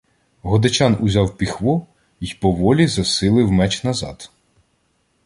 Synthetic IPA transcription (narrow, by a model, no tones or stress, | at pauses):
ɦɔd̪ɐt͡ʃʲɑnʊzʲɑwpʲixʋɔ | ijpɔʋɔlʲizɐsɪlˠɪwmɛt͡ʃnɐzɑ̰d̪